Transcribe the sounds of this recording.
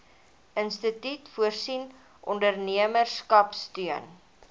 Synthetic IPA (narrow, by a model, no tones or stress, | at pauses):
ənstətytfuərsin | ʔɔndərniəmərskɐpstyən